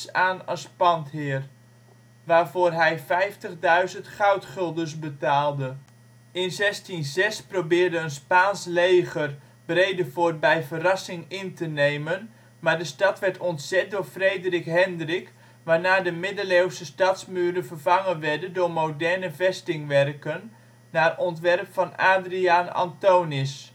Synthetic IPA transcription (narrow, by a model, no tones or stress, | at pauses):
aːnɑspɑntɦɪər | ʋaːvoːrɦɛjfɛjftəχdœɥzəntχœwtχɪlˠdərs̬bətaːlˠdə | ɪnzɛstinzɛsprowbɪːrdəənspaːnslejɣər | brejdəvoːrbɛjvərɑsɪŋɪntənejmən | maːɹdəstɑtʋɛɹtɔntsɛt̚dʊːɹfrejdrɪkɦɛndrɪk | ʋaːɹnaːdəmɪdəlewsəstɑtsmyːɾəvərvɑŋənʋɛɹdəndʊːɹmowdɛɹnəvɛstɪŋʋɛrkənː | arɔntʋɛrpfɑnaːdriaːnɑ̰ntownɪs